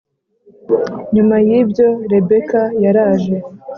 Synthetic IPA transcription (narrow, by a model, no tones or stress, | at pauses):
ɲumajibɟo̞ɾe̞be̞kajaɾaːʒe̞